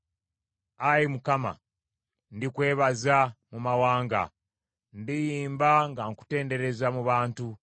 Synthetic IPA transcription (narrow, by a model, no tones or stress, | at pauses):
ajimukama̰ | ndikwe̞ːβazamumawaːŋɡa̰ | ndijiːmbaŋɡaŋku̥te̞ːnde̞ɾe̞zamuβaːntu